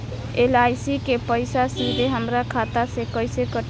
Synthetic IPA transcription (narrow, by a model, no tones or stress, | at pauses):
elajsikepəɪsasid̪ʱeɦəmɾakʰat̪asekəjsekə